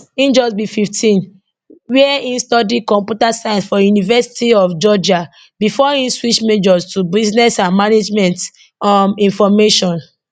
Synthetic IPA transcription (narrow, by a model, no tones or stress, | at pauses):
ĩnd͡ʒɔsbififtʰĩn | wiɛĩnstɔdikɔ̃mpjutasaɪ̃sfɔjunivɛsi̥tiɔfd͡ʒɔd͡ʒa | bifɔĩnswit͡ʃmed͡ʒɔstubiznɛsãnmaned͡ʒmɛ̃nt | mĩnfɔmeʃɔ̃n